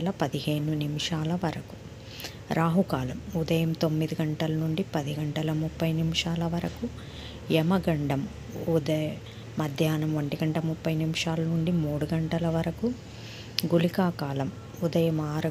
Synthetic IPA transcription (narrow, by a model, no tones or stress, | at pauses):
lɐpɐd̪iɦe̞ːnunimiʂaːlɐʋɐɾɐku̥ | ɾaːɦukaːlɐmud̪ɐjɐmt̪o̞mːid̪iɡɐɳʈɐlɐnuɳɖipɐd̪iɡɐɳʈɐlɐmupːɐjnimiʂaːlɐʋɐɾɐku | ɛmɐɡɐɳɖɐm | ud̪ɐː | ɐd̪ʱjaːnɐmʋɐɳʈiɡɐɳʈɐmupːɐjnimiʂaːlɐnuɳɖimuːɽuɡɐɳʈɐlɐʋɐɾɐku | ɡulikaːkaːlɐm | ud̪ɐjɐmaːɾɐ